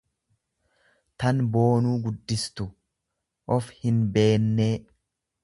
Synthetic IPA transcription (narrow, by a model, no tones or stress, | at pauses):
t̪ɐnbo̞ːnuːɡʊd̪ːɪst̪ʊ | ʔɔfhɪnbe̞ːnːeː